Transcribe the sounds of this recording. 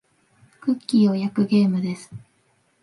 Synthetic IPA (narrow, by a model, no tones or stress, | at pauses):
kɯ̟kʲːiːo̞jakɯ̟ɡe̞ːmɯ̟d̪e̞sɨ̥